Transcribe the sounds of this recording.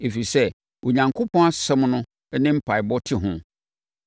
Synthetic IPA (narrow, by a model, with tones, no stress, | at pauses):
e˨fi˨sɛ˦ | wo˨ɲã˨ŋkʰo˦pʰɔ̃˦a˦sɛ˦mnʊ̃˦ | ɛ˦nɪ̃˦m̩˦pʰa˨ɪ˨bɔ˦tʰɪ˨ɦʊ̃˦